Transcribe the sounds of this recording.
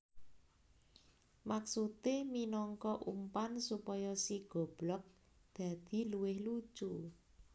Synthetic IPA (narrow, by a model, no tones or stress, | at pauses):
maksut̪eminɔŋkɔʔṵmpansupɔjɔsiɡ̥ɔ̤b̥lɔk̚ | d̪̥ä̤d̪̥i̤luwɪhlu̥t͡ʃu